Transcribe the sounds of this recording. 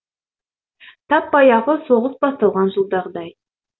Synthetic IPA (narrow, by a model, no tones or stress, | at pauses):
t̪ʰɑpːɑjɑʁəso̞ʁəsbɑst̪ɑlˠʁɑnʒəlˠd̪ɑʁd̪ɑj